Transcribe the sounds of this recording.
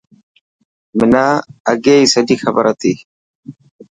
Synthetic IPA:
mɪnaɐɡejsɐd̪ixɐbɐɾɐt̪i

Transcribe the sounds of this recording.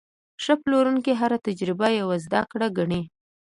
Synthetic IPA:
ʂəploɾuŋkiɦaɾat̪ad͡ʒɾɪbajawazd̪akɽaɡaɳe

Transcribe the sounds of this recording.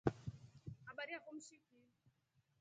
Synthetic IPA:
haɓaɾiakum̩ʃiki

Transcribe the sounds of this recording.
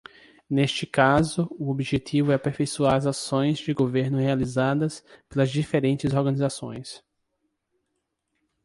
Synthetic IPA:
nest͡ʃɪkazʊʊobiʒet̪ʰivʊɛpeɾfejsuaɾɐzasõj̃zd͡ʒɪɡoveɾnʊhealizad̪ɐspelɐzd͡ʒifeɾẽnt͡ʃɪzoɾɡɐnizasõ̰j̃s

